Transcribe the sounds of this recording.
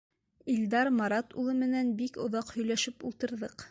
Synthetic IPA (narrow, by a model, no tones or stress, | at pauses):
ild̪ɑɾmɑɾɑt̪ulˠɤmɘ̆nænbikŏðɑqhɵ̆jlæʃɘpulˠt̪ɤ̆ɾðɤq